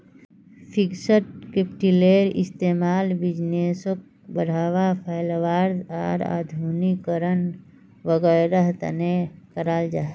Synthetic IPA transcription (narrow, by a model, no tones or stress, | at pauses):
pʰɪksəʈ̚kepʈileːɾɪ̰st̪eːmaːlbɪd͡ʒneːsok̚ | bəɽ̤aːwapʰaːɪlwaːɾd̪a̰ːɾa̰ːd̪ʱuːnikəɾən | ʋəɡəɾəɦt̪ə̰nekəɾaːld͡ʒaː